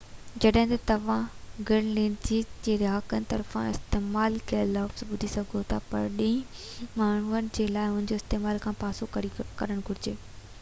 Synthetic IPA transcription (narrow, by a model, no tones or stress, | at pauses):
d͡ʑɐɗɦɪ̃t̪ɐt̪ɐʋ̤ãɡɪɽ̃lẽːnd͡ʑiːd͡ʑeːɾaːkənɪ̆t̪ɐɾfã̰ɪ̰st̪eːmaːlkɐəlɔːpsɓʊd̪ʱisɐɡʱot̪ʰaːpɐ̰ɾɗĩĩ | maːɳ̤uənɪ̆d͡ʑeːlaːɪʊ̃nɪnɲd͡ʑoːst̪eːmaːlkʰãːpaːsokɐikɐɾəɽ̃ɡʱʊɾɪd͡ʑeː